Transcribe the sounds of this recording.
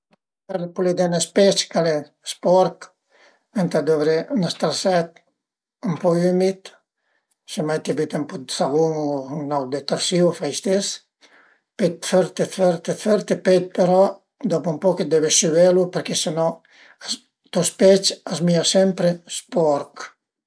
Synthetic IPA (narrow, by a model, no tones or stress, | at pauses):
pɛɾpulid̪ɛnespɛt͡ʃkale | spɔɾt̪ | ɛnt̪ad̪ɔvɾenast̪aɾsɛt̪ | əmpɔymit̪ | semajt̪iabit̪ampɔsavuŋnawd̪et̪aɾsiwfajst̪es | pet̪fɛɾt̪efɛɾt̪efɛɾt̪epet̪̚peɾɔ | d̪ɔpumpɔked̪ɛbesyvɛlupəɾkesenɔ | a | t̪ɔspɛt͡ʃasmiasɛmpɾespɔɾk